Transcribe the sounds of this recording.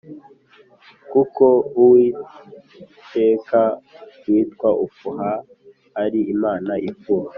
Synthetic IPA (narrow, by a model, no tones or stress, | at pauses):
kukouwi | te̞ːkawiːtkwaʔufuɦaː | ɾiimaːnaʔifuha